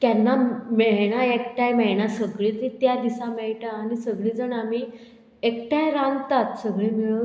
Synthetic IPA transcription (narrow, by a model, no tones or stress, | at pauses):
kjanːamɛɭɳ̃aekʈajmɛɭɳasəɡɭit̪it̪jad̪isãmeɭʈaːnisəɡɭiːd͡zəɳam̤iː | ekʈajɾãnɡ̪t̪at̪səɡɭẽmiɭə